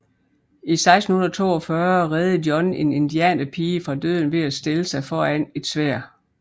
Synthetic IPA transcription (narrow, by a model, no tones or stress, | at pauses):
isɑ̈ɪsd̥n̩hunðɐɐt͡sʰo̝̰ːɒ̽fɶɐʁɛːð̩ˠdjɒ̽ne̝ne̝nd̥iɛ̰ːnæpʰiːəfʁɑ̈d̥øð̰ˠn̩ʋe̝æsd̥eləsɑ̈ɪfɒːæne̝d̥sʋæɐ̰